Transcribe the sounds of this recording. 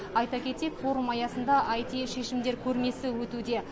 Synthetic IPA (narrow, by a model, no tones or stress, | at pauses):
ɑjt̪ɑkʲʰe̞t̪e̞kfo̞ɾumɑjɑsənd̪ɑʔɑjt̪iʃe̞ʃɪmd̪e̞ɾkʲʰɵɾme̞sɪwɵt̪ud̪e̞